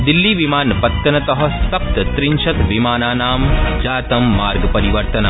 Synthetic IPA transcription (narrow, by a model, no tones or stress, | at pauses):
d̪ilːiʋimaːnpɐt̪ːɐnɐt̪ɐɦɐsɐp̚t̪t̪ɾiɲʃɐt̪ʋimaːnaːnaːmd͡ʒaːt̪ɐmːaːɾɡɐpɐɾiʋɐɾt̪ɐna